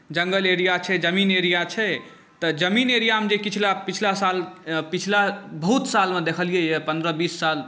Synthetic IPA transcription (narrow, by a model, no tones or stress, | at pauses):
d͡ʒəŋɡəleɾijat͡ʃʰɛd͡ʒəmineɾijat͡ʃʰɛ | t̪əd͡ʒəmineɾijamed͡ʒekit͡ʃʰlapit͡ʃʰlasalpit͡ʃʰlabəɦut̪salmed̪ekʰəlijɛjepə̃nd̪ɾəbisːal